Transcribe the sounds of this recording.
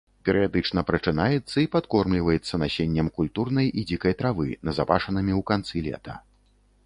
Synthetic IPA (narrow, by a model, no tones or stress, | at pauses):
pʲɛɾɨjad̪ɨt͡ʂn̪ɐpɾɐt͡ʂɨnajɛt̪sːɐipat̪kɔrmlʲivɐjɛt̪sːɐnasʲenʲːɐmkulʲt̪urnɐjʔid͡zʲikɐjt̪ɾavɨnɐzapa̰ʂɐnɨmʲiwkant̪sɨlʲɛ̰t̪ɐ̰